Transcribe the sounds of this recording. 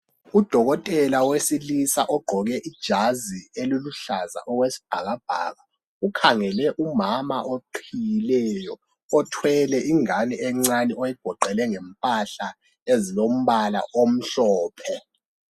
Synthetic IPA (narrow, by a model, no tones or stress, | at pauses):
ud̥ʱɔɣɔtʼɛlawesilisaʔɔɡ͡ǃʱɔɣɛʔid̥ʒ̥ʱazieluluɬaza̰ʔɔɣwesi̥b̥ʱaɣab̥ʱa̰ːɣa | ukʰaŋɛlɛʔumama̰ʔoǃʰijilɛjɔː | tʰwɛlɛʔiŋanɛɛŋ͡ǀanɛojiɡ̥ʱɔǃɛlɛŋɛmpʼaɬa | ezilom̩βala̰ʔom̩ɬɔːpʰɛ